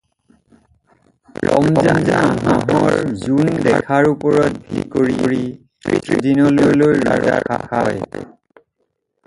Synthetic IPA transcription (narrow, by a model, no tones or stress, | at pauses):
kɔ̰mzɛzaɦaɦɔɹzundɛkʰaɹupɔɹɔt̚bʱikoɹiɹi | ḭdinɔlolojɹa̰za̰kakaj